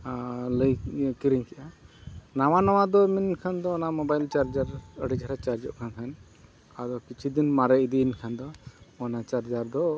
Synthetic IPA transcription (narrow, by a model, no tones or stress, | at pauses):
ləjkiɾiŋkɛʔanaw̃anaw̃ad̪ɔminkʰand̪ɔːnamɔbajlt͡ʃaɾd͡ʒaɾəɖid͡ʒaɾat͡ʃaɾd͡ʒɔ̰ʔkʰankʰan | ad̪ɔkit͡ʃʰid̪inmaɾɛid̪inkʰand̪ɔːnat͡ʃaɾd͡ʒaɾd̪ɔ